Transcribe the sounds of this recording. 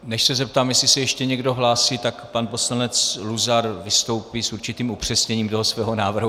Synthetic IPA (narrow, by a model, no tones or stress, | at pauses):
nɛʃsɛzɛp̚t̪aːmjɛsɪsɛjɛʃcɛɲɛɡdo̞ɦlaːsiːt̪akpanpo̞slanɛt͡sluzaɾvɪst̪o̞wpiːsuɾt͡ʃɪt̪iːmupr̝̥ɛsɲɛɲiːmt̪o̞ɦosvɛːɦo̞naːvr̩ɦu